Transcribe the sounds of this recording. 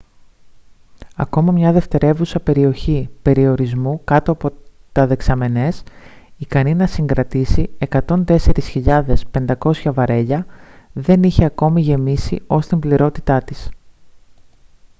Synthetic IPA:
ɐ̰ko̞mɐmɲɐðe̞ft̪e̞ɾe̞vusɐpe̞ɾio̞çipe̞ɾio̞ɾizmukɐt̪o̞ɐpo̞t̪ɐðe̞ksɐme̞ne̞sikɐninɐsiŋɡɾɐt̪isie̞kɐt̪o̞nt̪e̞se̞ɾisçiʎɐðe̞spe̞nd̪ɐko̞sçɐvɐɾe̞ʎɐðe̞niçe̞ɐko̞miʝe̞misio̞st̪imbliɾo̞t̪i̥t̪ɐt̪is

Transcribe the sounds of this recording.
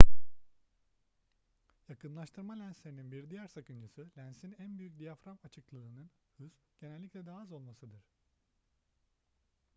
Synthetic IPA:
jakʰɯnlˠaʃt̪ʰɯɾmalʲænslʲeɾininbiɾd̪ijæɾsakɯnd͡ʒɯsɯlʲænsinænbyjyc̚d̪ijafɾamat͡ʃʰɯklˠɯɯːnɯn | hɯz̥ | ɟ̥e̞nɛlʲːiclʲɛd̪aːɯzo̞lˠmasɯd̪ɯɾ̥

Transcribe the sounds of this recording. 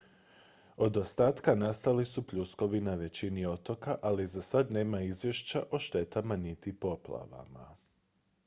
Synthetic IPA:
o̞d̪o̞st̪aːt̪kanast̪alisupʎusko̞ʋinaʋe̞t͡ɕinio̞t̪o̞kaʔalizasad̪ne̞ːmaizʋje̞ʃt͡ɕaʔo̞ʃt̪e̞t̪amanit̪ipo̞plˠa̰ʋa̰ma̰

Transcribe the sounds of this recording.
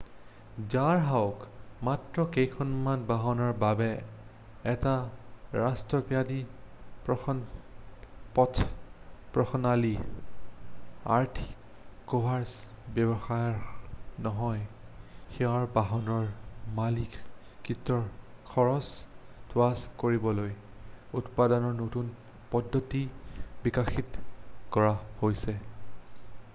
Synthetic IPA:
zaɹɦawkmatɹɔkejkʰɔnmanbaɦɔnɔɹbabɛ | ɛtaɹastɹɔpijadipɔ | pɔtʰpɹɔxɔnali | a̰ɹtʰi̥ | kobʱaɹs | bɛbɔxajɔɹnɔɦɔjxɛɔɹbaɦɔnɔɹmalikkɹitːɔɹkʰɔɹɔsd̥waskoɹibɔloj | utpadɔnɔɹnotun | pɔdʱːotibikaxitkɔɹahojsɛ

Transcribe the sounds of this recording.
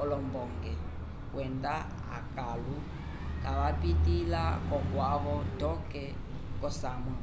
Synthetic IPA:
ɔlɔmbɔŋɡɛ | kwɛnda | a̰kʼalu | kʼaβapʼitʼilakɔkwaβɔtɔkɛ | kɔsamwɛ

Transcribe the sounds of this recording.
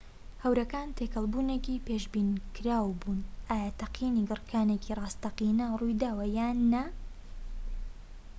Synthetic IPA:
hɐwɾɐkaːnt̪ʰekʰɐlˠbuːnekiːpeʃbiːnkʰɨɾaːwbuːnʔaːjaːt̪ʰɐqiːniɡɨrkʰaːnecʰirˤɑːst̪ɐqinɐrujd̪aːwɐjaːnːɐ

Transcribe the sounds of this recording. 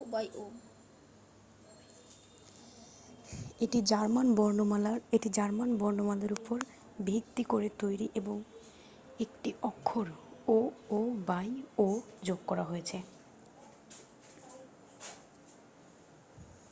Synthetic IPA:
bajo | eʈid͡ʑaɾmanbnalaeʈid͡ʑaɾmanbɔɾnomalaɾupoɾ | bʱikt̪ikoɾet̪ojɾiʔeboŋ | ekʈiʔɔkʰːoɾoobajod͡ʑoɡkɔɾaɦojet͡ɕʰe

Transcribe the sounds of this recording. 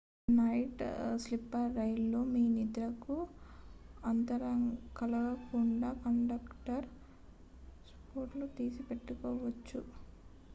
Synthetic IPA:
nɐjʈslipːɐɾːɐjlːo̞ːmiːnid̪ɾɐku | ɐnt̪ɐɾɐŋkɐlɐʋɐkuɳɖaːkɐɳɖɐkʈɐɾ | spoːʈlut̪iːsipe̞ʈːukɔːʋɐt͡ʃːu

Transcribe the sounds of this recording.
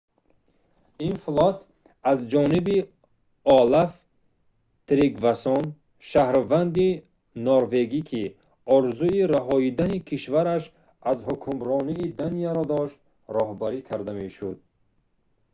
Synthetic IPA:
inflɔt̪ʰ | azd͡ʒɔnibi | ɔlaf | t̪ɾiɡvasɔn | ʃahɾvand̪i | nɔɾve̞ɡikʰi | ɔɾzuiɾaɦɔid̪anikʰiʃvaɾaʃ | azhukʰumɾɔniːd̪anijaɾɔd̪ɔʃt̪̚ | ɾɔɦbaɾikʰaɾd̪ame̞ʃud̪̚

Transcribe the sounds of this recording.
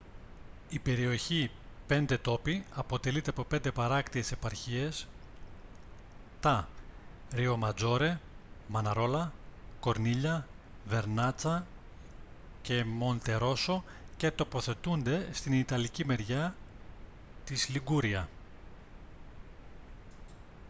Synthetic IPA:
ipe̞ɾio̞çi | pe̞nd̪e̞t̪o̞piɐpo̞t̪e̞lit̪e̞ɐpo̞pe̞nd̪e̞pɐɾɐkt̪ie̞se̞pɐɾçie̞s | t̪ɐ | ɾio̞mɐd͡zo̞ɾe̞mɐnɐɾo̞lɐko̞ɾniʎɐ | ve̞ɾnɐt͡sɐ | ce̞mo̞nt̪e̞ɾo̞so̞ | ce̞t̪o̞po̞θe̞t̪und̪e̞st̪init̪ɐlicime̞ɾʝɐ | t̪isliɡuɾiɐ

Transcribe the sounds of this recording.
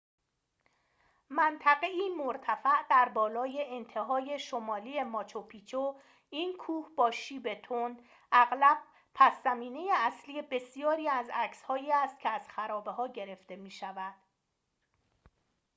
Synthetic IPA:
mænt̪ʰæɣe̞iːmoɾt̪ʰæfæʔd̪̥æɾbɒːlɒːje̞ʔent̪ʰe̞ɦɒːje̞ʃo̞mɒːliːe̞mɒːt͡ʃʰopʰiːt͡ʃʰo | iːnkʰuːhb̥ɒːʃiːbe̞t̪ʰond̪ | ʔæɣlæb̥̚ | pʰæszæmiːne̞jeæsliːje̞be̞sijɒːɾiːæzæcshɒːiːæst̪̚cʰeæz̥xæɾɒːbe̞ɦɒːɟe̞ɾe̞ft̪e̞miːʃævæd̪̥

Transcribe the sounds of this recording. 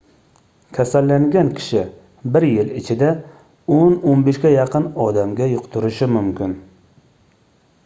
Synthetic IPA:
kʲʰasalːaŋɡʲankʲʰɪ̥ʃɪ | bɪɾjɪlɪt͡ʃʰɪd̪a | ononbeʃkʲajɑqɨnɒd̪amɡʲajʊqt̪ʰʊɾɪʃɪmʊmkʲɪn

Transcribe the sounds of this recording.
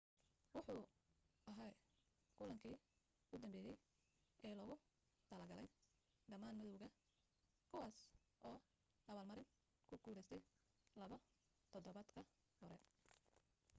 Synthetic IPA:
wʊħuːɐɦaːj | kʰʊlɐŋkʰiː | ʊd̪ɐmbɛːjɛj | ɛːlɔːɣʊ | t̪ʰɐlɐɡɐlɛj | ɖɐmaːnmɐðɔwɣɐ | kʰʊwaːs | ʔɔː | ɐβɐːlmɐɾɪn | kʰʊɡuːðɛst̪ʰɛj | lɐβɐ | t̪ʰɔd̪ɔβɐd̪kʰɐ | hɔɾɛ

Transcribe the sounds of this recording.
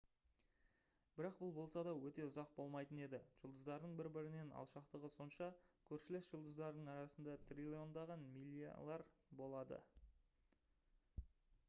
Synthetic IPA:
b̥ɪɾɑqbʊlˠbo̞lˠsɑd̪ɑwɵt̪e̞ʊzɑq̚bo̞lˠmɑjt̪əne̞d̪ɪʒ̥ʊlˠd̪əzd̪ɑɾd̪əɴbɪɾbɪɾɪne̞nʔɑ̰lˠʃɑqt̪əʁəso̞nʃɑkʲʰɵɾʃɪlɪsʒ̥ʊlˠd̪əzd̪ɑɾəd̪əɴɑɾɑsənd̪ɑt̪ʰrʲilʲio̞nd̪ɑʁɑnmilʲːia̰lˠɑɾbo̞lˠɑd̪ə̰

